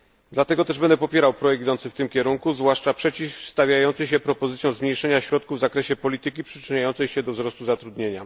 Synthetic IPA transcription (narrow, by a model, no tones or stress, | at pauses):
d̪lat̪ɛɡɔt̪ɛʐbɛnd̪ɛpɔpʲjɛɾawpɾɔjɛk̚k̪id̪ɔnsɘft̪ɘmkʲɛɾuŋkuzvwaʂt͡ʂapʂɛt͡ɕifst̪avʲjajɔnt̪sɘɕɛpɾɔpɔzɘt̪sjɔ̃w̃zmʲɲejʂɛɲaɕɾɔt̪̚kuvːzakɾɛɕɛpɔlʲit̪ɘkʲipʂɘ̥t͡ʂɘɲajɔnt̪sɛjɕɛd̪ɔvzɾɔst̪uzat̪ɾud̪ɲeɲa